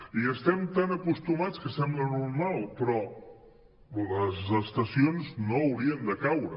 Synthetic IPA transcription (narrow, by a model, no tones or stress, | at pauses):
iəst̪ɛmt̪anəkust̪umat͡skəsɛmblənuɾmalˠpɾɔ | ləzəst̪əsionznoːwɾiənd̪əkawɾə